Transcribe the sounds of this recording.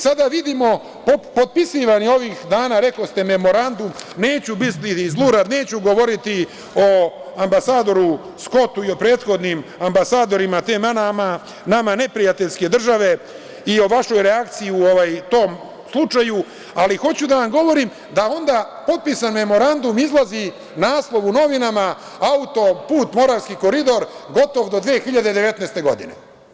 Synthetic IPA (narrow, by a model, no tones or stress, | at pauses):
sad̪aʋid̪imo̞ | popo̞t̪̚pisiʋanio̞ʋiːxd̪aːnaːɾe̞kost̪eme̞mo̞ɾand̪umne̞ːt͡ɕubist̪izlˠuːɾad̪ne̞ːt͡ɕuɡo̞ʋo̞ɾit̪i | o̞ambasaːd̪o̞ɾu | sko̞t̪uio̞pɾe̞ːt̪xo̞d̪nimambasaːd̪o̞ɾimat̪e̞ːmanama | namane̞pɾijat̪eʎske̞d̪r̩ʒaʋe̞ | io̞ʋaʃo̞jɾeakt̪sijiuoʋajt̪o̞ːm | slˠut͡ʃaju | alixo̞t͡ɕud̪aʋamɡo̞ʋo̞ɾim | d̪ao̞nd̪a | po̞t̪̚pisanme̞mo̞ɾand̪umizlazi | naːslˠo̞ʋuno̞ʋinama | aut̪o̞puːt̪mo̞ɾaʋskiko̞ɾid̪o̞ɾɡo̞t̪o̞ʋd̪od̪ʋeːexiʎad̪e̞d̪eʋe̞t̪nɛst̪e̞ɡo̞̰d̪inḛ